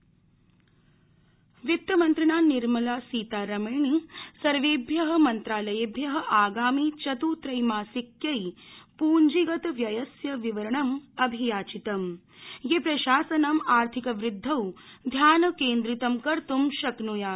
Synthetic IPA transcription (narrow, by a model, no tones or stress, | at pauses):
ʋjit̪ːɐmɐnt̪ɾinaːniɾmɐlaːsiːt̪aːɾɐmɐːɳisɐɾʋeːbʱjɐɦɐ̆mɐnt̪ɾaːlɐjebʱjɐɦɐ̆ʔaːɡaːmit͡ʃɐt̪uːt̪ɾɐjmaːsikjɐjpuːɲd͡ʒiɡɐt̪ɐʋjɐjɐsjɐʋiʋɐɾɐɳɐmɐbʱijaːt͡ʃit̪ɐm | jepɾɐʃaːsɐnamaːɾt̪ʰikɐʋɾɪd̪ʱːɐwd̪ʱjaːnɐkeːnd̪ɾit̪ɐmkɐɾt̪umʃɐknujaː